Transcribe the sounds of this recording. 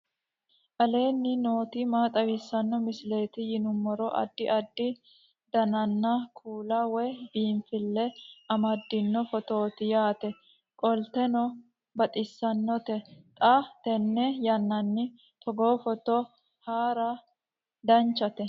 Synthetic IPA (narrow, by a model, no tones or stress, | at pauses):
ʔɐle̞ːnːɪnoːt̪ɪmaːt̪ʼɐwɪsːɐnːɔmɪsɪle̞ːt̪ɪjɪnʊmːɔɾɔʔɐ̰d̪ːɪʔɐd̪ːɪ | d̪̥ɐnɐnːɐkʰuːlɐwɛbiːɱfɪlːɛʔɐmɐd̪ːɪnːɔfɔt̪o̞ːt̪ɪjaːt̪ɛ | kʼɔlt̪ɛnɔ | bɐt̪ʼɪsːɐnːɔt̪ɛt̪ʼɐt̪ɛnːɛjɐnːɐnːɪ | t̪ɔɡo̞ːfɔt̪ɔ | haːɾɐ | d̪ɐnt͡ʃːɐt̪ɛ